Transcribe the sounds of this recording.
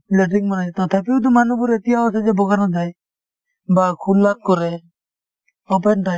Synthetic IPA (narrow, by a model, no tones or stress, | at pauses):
lɛʈiŋmɔnaɛt̪ɔt̪ʰapid̪ɔmanubuɾet̪ijaɔsad͡ʒɛbɔɡanad̪aj | bakʰulːat̪̚kɔɾɛ | ɔpɛnʈaj